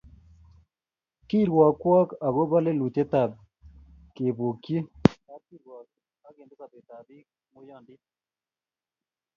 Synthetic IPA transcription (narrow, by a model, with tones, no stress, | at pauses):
ki˦˨ɾwa˨kwa˦ka˨ɣo˦βa˦le˦lu˨tɛ˦ta˨b | ke˨βo˨kje˦a˦ki˦ɾwa˨k | a˦ke˨ndo˦ka˨pe˨t̪a˨bi˦k̚ | mo˦jɔ˦˨ndɪ˦